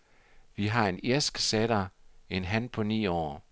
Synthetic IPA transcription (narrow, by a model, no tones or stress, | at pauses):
ʋiɦɑ̈e̝ne̝ɐsɡ̥seɾ̥ɐenɦænpʰɒ̽nḭːɒ̰ː